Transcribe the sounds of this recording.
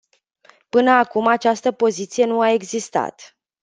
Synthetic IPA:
pɨnəakumat͡ʃast̪əpo̞zit̪sije̞nuae̞ɡzist̪a̰t̪

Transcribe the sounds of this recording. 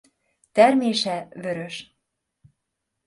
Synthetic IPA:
t̪æɾmeʃæβɘ̆ɾɘ̆ʃ

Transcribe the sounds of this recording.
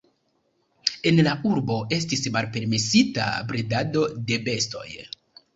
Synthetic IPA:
e̞nlauɾbo̞e̞s̬tismalpe̞ɾme̞sita̰bɾedado̞de̞be̞sto̞̰j

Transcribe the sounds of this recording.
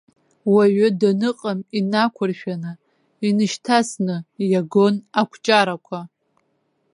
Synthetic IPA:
waɥadanɨqʼaminakʷʰʊrʃᶣanɨ | inɨʃtʰasnɨjaɡo̞nakʷʰt͡ʃʼaɾakʷʰa

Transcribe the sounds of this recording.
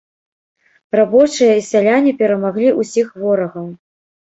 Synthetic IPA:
rabɔt͡ʂɨjɐisʲalʲanʲipʲɛɾɐmaɣlʲiʔusʲixvɔɾɐɣɐw

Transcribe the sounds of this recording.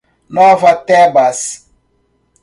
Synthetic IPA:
nɔvatɛbas

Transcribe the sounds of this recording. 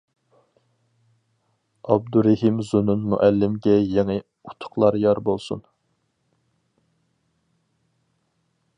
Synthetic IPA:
ɑb̚d̪uɾɪhimzununmṵʔælːɪmɡʲɛjeŋɨ | ut̪ʰʊ̥χlˠɑɾjɑɾbolˠsun

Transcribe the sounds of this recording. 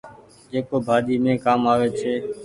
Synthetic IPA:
d͡ʒeːkoːbʱaːd̪iːmẽːkaːmaːʋeːt͡ʃʰeː

